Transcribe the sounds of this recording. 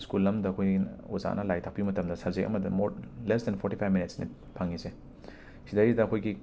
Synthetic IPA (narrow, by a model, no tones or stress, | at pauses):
skulːɐmdɐːkʰojioza̰nɐlajtʰak̚pimɐtɐmdɐsɐbzekʔɐ̰mɐdɐmoɾlesdɛnpʰoɾtipʰajvminitsnḭ | pʰaŋise | sidajidɐːkʰojɡi